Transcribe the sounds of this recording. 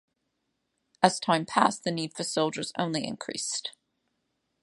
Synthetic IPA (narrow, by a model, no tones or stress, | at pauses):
ʔɨz̥tʰãɪ̃mpʰæ̰sðɨnid̥fə˞soʊlˠd͡ʒə˞zõ̰ʊ̃nliɨ̰̃nkʰɹ̥ḭst